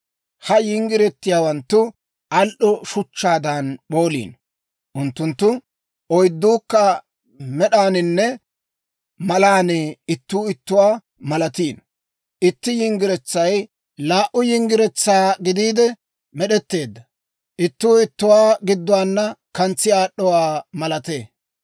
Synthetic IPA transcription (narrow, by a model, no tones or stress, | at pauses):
hɐjɪŋɡɪɾɛt̪ːɪjaːwɐnt̪ːʊ | ɐlʔɔʃʊt͡ʃːaːd̪anɓo̞ːlḭːn | ʔʊnt̪ːʊnt̪ːʊ | ɔjd̪ːuːkːɐ | mɛɗaːnɪnːɛ | mɐlaːnɛɪt̪ːuːɪt̪ːʊwaː | mɐlɐt̪iːn | ʔɪt̪ːɪjɪŋɡɪɾɛt͡sːɐj | laːʔʊjɪŋɡɪɾɛt͡sːaːɡɪd̪iːd̪ɛ | mɛɗɛt̪ːe̞ːd̪ːɐ | ʔɪt̪ːʊːɪt̪ːʊwaːɡɪd̪ːʊwaːnːɐkɐnt͡sːɪaːɗːɔwaːmɐlɐt̪eː